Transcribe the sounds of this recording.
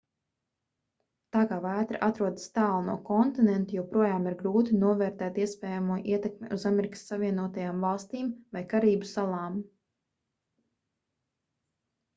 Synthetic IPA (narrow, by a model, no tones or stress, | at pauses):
t̪aːkaːvæːt̪ɾaʔat̪ɾuɔd̪ə̥st̪aːlˠnuɔkɔnt̪inɛnt̪ujɛwpɾuɔjaːmiɾɡɾuːt̪inuɔvɛːɾt̪ɛːt̪iɛspɛːjamuɔʔiɛt̪ɛkmeuzameɾikə̥sːaviɛnuɔt̪ajaːmvɑlˠst̪iːmvajkaɾiːbusalˠɑːm